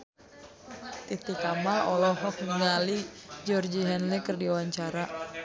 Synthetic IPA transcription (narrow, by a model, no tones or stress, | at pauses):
t̪it̪ikamalɔlɔɦɔk̚niŋalid͡ʒɔrd͡ʒiɦɛnlikɨrdiwaɲt͡ʃaɾa